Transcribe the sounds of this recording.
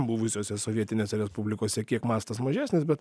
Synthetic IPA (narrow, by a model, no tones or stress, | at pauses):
bʊʋʲɪsʲoːsʲɛsoːʋʲiɛt̪ʲɪnʲeːsʲɛɾʲɛspublʲɪkoːsʲɛkʲiɛkmɑːst̪ɐsmɐʒʲæːsʲnʲɪsbʲɛt̪